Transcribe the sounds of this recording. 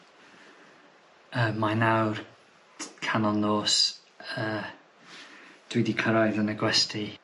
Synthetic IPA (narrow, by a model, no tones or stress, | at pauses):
əːmːajnawr | kʰanɔnloːs | əː | d̥wɪdikʰəɾɔjðənəɡwɛstʰi